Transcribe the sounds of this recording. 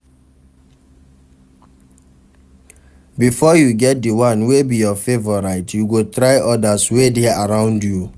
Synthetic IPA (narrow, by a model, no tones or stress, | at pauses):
bifɔjuɡɛt̚diwãnwebijɔfevɔɹaɪtjuɡotɾaɪʔɔdaswedeaɹãʊ̃ndju